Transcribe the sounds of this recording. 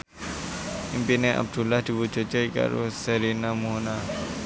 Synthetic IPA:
impineʔa̰b̚d̪̥ulahd̪̥i̤bud͡ʒɔd͡ʒɔjka̰ɾṵsəɾinamuɦna

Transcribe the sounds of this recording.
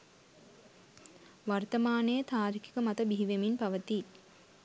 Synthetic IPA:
ʋart̪əmaːnejət̪aːɾikʰi̥kəmat̪əbiɦiʋeminpaʋət̪i

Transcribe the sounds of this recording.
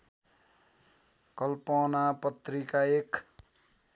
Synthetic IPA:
kʌlponapʌt̪rikaek

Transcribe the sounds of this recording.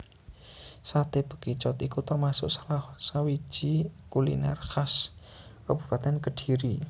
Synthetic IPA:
sat̪eb̥ə̤̥ɡ̥it͡ʃɔt̪ikut̪ərmasʊ̰ʔsalasawi̥ʒ̥ikulḭna̰rkaskəb̥ṳ̥pat̪ɛnkəɖ̥i̤ɾi

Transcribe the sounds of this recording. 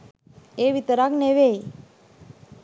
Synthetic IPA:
eʋit̪əɾakneʋej

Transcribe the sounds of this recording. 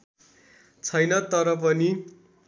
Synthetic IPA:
t͡sʰʌjnʌt̪ʌɾʌp̬ʌni

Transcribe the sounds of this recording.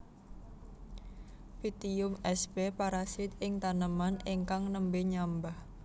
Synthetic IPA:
fit̪iʊmɛsbepaɾasɪt̪ɪŋt̪anəmaniŋkaŋnəmbeɲambah

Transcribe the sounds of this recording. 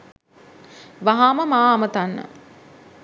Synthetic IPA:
ʋaɦaːməmaːmət̪anːə̰

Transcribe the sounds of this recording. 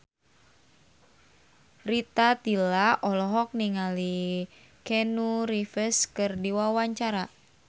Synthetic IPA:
rit̪at̪ilaʔɔlɔɦɔk̚niŋali | kɛnuɾifəskɨrdiwawaɲt͡ʃaɾa

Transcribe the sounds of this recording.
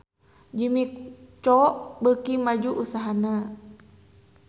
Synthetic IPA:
d͡ʒimikt͡ʃɔʔbəkimad͡ʒuʔusaɦana

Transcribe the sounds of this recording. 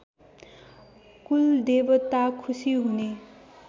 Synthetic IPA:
kuld̪ebʌt̪akʰusiɦune

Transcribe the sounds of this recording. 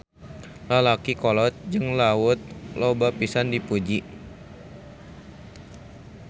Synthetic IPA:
lalakikɔlɔt̪̚d͡ʒɨŋlawʊt̪̚lobapisandipud͡ʒi

